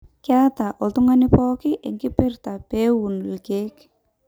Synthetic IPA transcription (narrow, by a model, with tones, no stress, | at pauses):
ka˦ta˨ʔɔ˨tu˦ŋa˦nɪ˦pɔ˦kɪ˦ʔe˨ŋɡi˦pɪ˦rta˨pe˦wu˨nlke˦k